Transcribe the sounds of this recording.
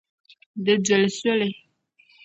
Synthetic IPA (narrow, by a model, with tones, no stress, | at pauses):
də˨də˨lsə˦le˨